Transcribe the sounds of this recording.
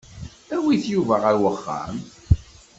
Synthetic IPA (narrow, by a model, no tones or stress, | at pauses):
æwiθjuvæʁæɾwəχːæ̰m